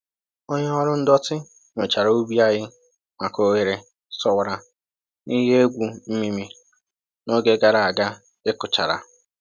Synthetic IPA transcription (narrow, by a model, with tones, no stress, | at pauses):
o˦ɲe˦ɔ˦ɾʊ˦n̩˦dɔ˦tɪ˦ | ŋʷe˨t͡ʃa˨ɾa˨o˦bi˦a˦ɣɪ˦ | ma˨ko˦ɣe˨ɾe˨ | sɔ˦wa˨ɾa˨ | ni˦ɦe˦e˦ɡʷu˨m̩˦mi˦mi˦ | no˦ɡe˦ɡa˨ɾa˨a˨ɡa˦ | ɪ˦kʊ˨t͡ʃa̰˨ɾa̰˨